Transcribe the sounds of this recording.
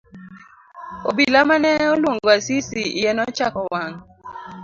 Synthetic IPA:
obilamanɛolwoŋɡoasisiijɛnɔt͡ʃakɔwaŋ

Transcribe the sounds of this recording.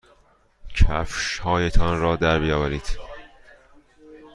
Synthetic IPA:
cʰæfʃhɒːjet̪ʰɒnrɒːd̪æɾbijɒːvæɾiːd̪̥

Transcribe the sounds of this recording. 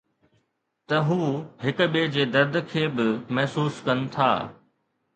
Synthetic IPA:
t̪ɐɦuːɦɪkʊ̆ɓeːd͡ʑeːd̪ɐɾd̪kʰeːbɪmɐɦsuːskɐnɪ̆t̪ʰa̰ː

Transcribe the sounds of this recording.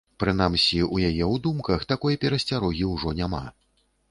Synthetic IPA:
pɾɨn̪amsʲiujajɛwd̪umkɐxt̪akɔjɐpʲɛɾɐsʲt͡sʲaɾɔɣʲiwʐɔnʲama̰

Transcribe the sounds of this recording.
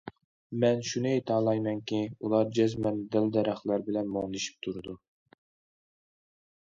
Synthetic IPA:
mɛnʃunɨet̪ʰɑːlˠɑjmɛŋkʲʰiulˠɑɾd͡ʒɛzmɛnd̪æld̪ɛɾæχlˠɑɾbɪlɛnmoŋd̪ɨʃi̥p̚t̪ʰuɾɨd̪u

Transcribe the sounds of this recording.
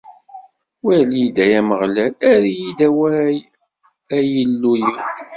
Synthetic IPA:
wælid̪æjæməʁlælæɾijid̪æwæj | æjəlːujə

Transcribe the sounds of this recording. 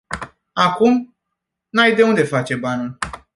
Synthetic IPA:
akum | najd̪e̞und̪e̞fat͡ʃe̞banul

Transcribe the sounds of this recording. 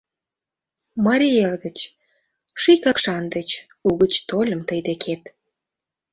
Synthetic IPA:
mɑɾʲijeld̪ət͡ɕ | ʃikɑkʃɑnd̪et͡ɕ | uɣət͡ɕt̪olʲə̆mt̪əjd̪ekʰet̪

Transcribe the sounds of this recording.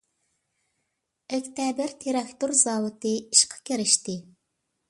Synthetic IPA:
ekʲt̪ʰæbɪɾt̪ʰeɾɑkt̪uɾzɑwɨt̪ɨiʃqʰɑ̥kʲiɾɪʃt̪ɪ

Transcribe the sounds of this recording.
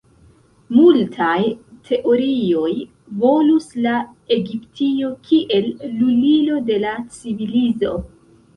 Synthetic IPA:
multʰajtʰe̞ʔo̞ɾio̞j | vo̞lusla | e̞ɡiptʰio̞kʰiʔe̞lːulilo̞de̞lat͡sivilizo̞̰

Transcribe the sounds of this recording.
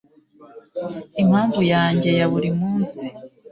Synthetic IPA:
imhaːɱvujaːɲɟe̞jaβuɾimuːnsi

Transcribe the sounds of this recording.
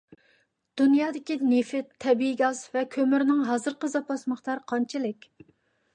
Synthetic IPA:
d̪̥unjɑːd̪ɪkʲinefɪt̪ʰːɛbiɡɑzvɛkʲʰømyɾnɪŋɦɑːzɨɾqəzɑpɑsməχt̪ʰɑɾqʰɑnt͡ʃʰilɪkʲ

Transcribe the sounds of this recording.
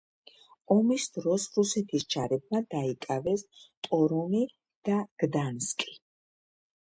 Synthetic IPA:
ɔmisd̪ɾɔsɾusɛt̪ʰisd͡ʒaɾɛb̚mad̪aikʼavɛst̪ʼɔɾumi | d̪̥aɡ̥d̪anskʼi̥

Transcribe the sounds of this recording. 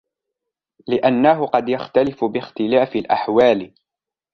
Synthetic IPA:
lɪʔanːaɦʊqɑd̪jaxt̪alɪfʊbɪxt̪ɪlaːfɪlʔa̰ħwaːl

